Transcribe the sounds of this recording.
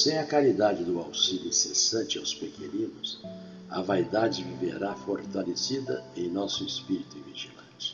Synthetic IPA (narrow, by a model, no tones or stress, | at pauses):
sɛɐkalid̪ad͡ʒɪd̪ʊawsiʎʊĩsesɐ̃t͡ʃɪawspekenĩnʊs | ɐ̰vajd̪ad͡ʒɪvivḛɾafoɾt̪alesid̪ɐ̰ẽj̃nɔsʊespiɾit̪ʊĩviʒilɐ̃t͡ʃɪ̥